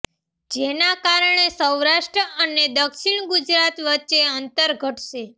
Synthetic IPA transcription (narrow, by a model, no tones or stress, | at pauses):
d͡ʒenakaɾəɳ̃esəwɾaʃʈɾəʔəned̪əkʃiɳ̃ɡud͡ʒɾat̪ʋətːt͡ʃeənt̪əɾɡʱəʈʃe